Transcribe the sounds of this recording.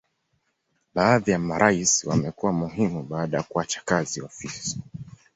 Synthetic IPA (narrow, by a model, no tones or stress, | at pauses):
ɓaːðijamaɾʔaisiwamɛkuwamuɦimuɓaːɗajakuat͡ʃḁkaziɔfisi̥